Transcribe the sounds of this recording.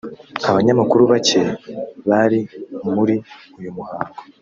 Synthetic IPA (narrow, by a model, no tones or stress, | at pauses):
aβaɲamakuɾuβace̞βaɾimuɾi | ujumuhaːŋɡo